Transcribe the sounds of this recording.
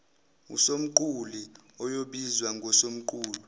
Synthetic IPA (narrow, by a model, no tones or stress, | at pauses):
ṵsom̩ǃuli | ɔjoɓizwaŋʱɔsom̩ǃuːlu